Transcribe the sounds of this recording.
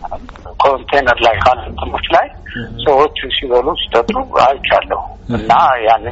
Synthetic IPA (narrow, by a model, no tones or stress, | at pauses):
əm | kʰo̞nt̪ʰenəɾlajkʰalnt̪ʰɨmot͡ʃːlaj | səwo̞t͡ʃːsiβəlusi̥t̪ʼət̪ʼːua̰jt͡ʃʼːalːəhu | ɨnːajanːɨ